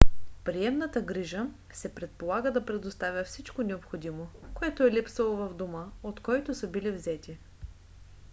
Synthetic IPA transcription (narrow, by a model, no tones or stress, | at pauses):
pɾiɛmnət̪əɡɾiʒə | sɛpɾɛt̪̚polˠaɡəd̪ɐpɾɛd̪ost̪avʲəfsit͡ʃkonɛopxod̪imokoɛt̪oɛlipsɐlˠovɐvd̪oməot̪kɔjt̪ʊsəbilivzɛt̪i